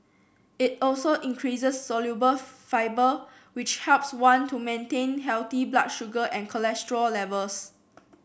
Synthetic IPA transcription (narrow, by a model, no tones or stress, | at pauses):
ɪt̚ɔlsoʔĩŋkʰɹisəsːɔljubəfaɪbə | wɪt͡ʃhɛlpswãntʰumẽntẽnɦɛlt̪ibla̰kʃuɡəʔɛ̃nkʰəlɛstəɹəllɛvəls